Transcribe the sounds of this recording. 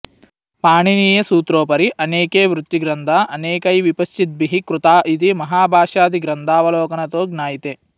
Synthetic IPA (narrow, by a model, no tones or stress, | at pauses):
paːɳiniːjɐsuːt̪ɾoːpɐɾiʔɐneːkeːʋɾut̪ːiɡɾɐnd̪ʱaːʔɐneːkɐjʋipɐst͡ʃit̪̚biɦikɾut̪aːit̪imɐɦaːbʱaːʂaːd̪iɡɾɐnd̪ʱaːʋɐloːkɐnɐt̪oːɡnaːjit̪e